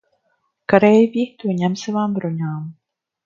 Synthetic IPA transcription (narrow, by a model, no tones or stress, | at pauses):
kaɾɛjviːxt̪uɲɛmsɛvaːmbɾoɲaːm